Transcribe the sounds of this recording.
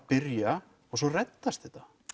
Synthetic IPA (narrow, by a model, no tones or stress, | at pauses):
pɪɾja | ɔɣsɔrɛt̪ːast̪ɛt̪ḁ